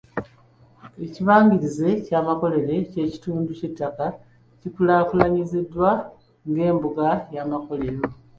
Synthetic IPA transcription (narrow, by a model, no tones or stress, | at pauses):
e̞ciβaːɲɡiɾize̞caːmako̞le̞ɾe̞ce̞ːci̥tuːnducetːaka | cipulaːkulaɲizidːwa | ŋɡe̞ːmbuɡajaːmako̞le̞ɾo̞